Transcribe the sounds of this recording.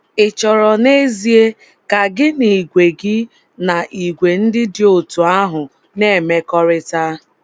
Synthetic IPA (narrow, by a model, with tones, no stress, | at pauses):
ɪ˨t͡ʃɔ˨ɾɔ˨ne˦zi˦e˦ | ka˨ɡɪ˦ni˨ɡʷe˨ɡɪ˦ | na˨ʔi˨ɡʷe˨n̩˦dɪ˦dɪ˦o˨tu˨a˦ɦʊ˨ | ne˦˨me˦kɔ˦ɾɪ˦ta˦